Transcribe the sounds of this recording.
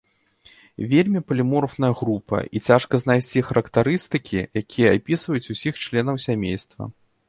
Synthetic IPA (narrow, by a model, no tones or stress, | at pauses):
vʲelʲmʲipɐlʲimɔrfnɐjɐɣɾupɐ̰ʔit͡sʲaʂkɐznajsʲt͡sʲixɐɾɐkt̪aɾɨst̪ɨkʲʰijakʲijɐapʲisvɐjut͡sʲusʲixt͡ʂlʲɛn̪ɐwsʲamʲḛjst̪vɐ̰